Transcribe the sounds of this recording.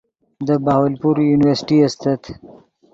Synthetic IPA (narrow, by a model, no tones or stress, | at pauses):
d̪əbahwalpuɾjunɪwəɾsɪ̥ʈiast̪at̪